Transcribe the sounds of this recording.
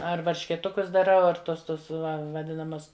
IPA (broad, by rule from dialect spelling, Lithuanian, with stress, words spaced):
ɐr ʋɐrʲʃʲkʲeːˈtʊkʊs dɐˈrɐʊ ɐr ˈtoːs ˈtʊs ʋɐˈdʲɪnɐmɐs